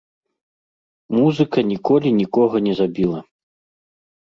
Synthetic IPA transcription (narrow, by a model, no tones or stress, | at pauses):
muzɨkɐnʲikɔlʲinʲikɔɣɐnʲɛzabʲilˠɐ